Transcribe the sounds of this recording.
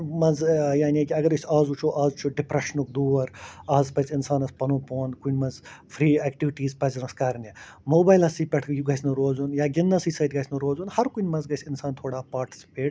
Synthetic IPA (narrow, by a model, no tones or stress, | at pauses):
mɐnzjaːnʲikʲiɐɡɐɾɐsʲaːzut͡ʃʰoːʔaːzut͡ʃʰoɖipɾɐʃnuk̚d̪uːɐɾaːzpɐt͡sɪnsaːnɐspɐnoːpoːnkunʲmɐnzfʰɾiːɛːkʈiʋiʈiːzpɐznɐskɐɾnʲemoːbaːjlɐsiːpʲɐʈʰkjuɡɐːjsʲnɨɾoːzunjaːɡʲɪnːɐsiːsɐjt̪̚ɡɐːsʰʲnɨɾoːzunhɐɾkunʲmɐnzɡɐsʲɪnsaːnt̪ʰoːɽaːpaːɾʈi̥sʲi̥peːʈ̚